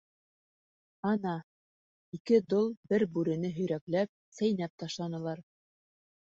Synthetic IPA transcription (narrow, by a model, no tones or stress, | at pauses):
ɑnɑ | ikɘd̪olˠbɘɾbʉɾɘ̆nɘɦɵ̆jɾæklæp̚sæjnæp̚t̪ɑʃlˠɑnɤ̆lˠɑɾ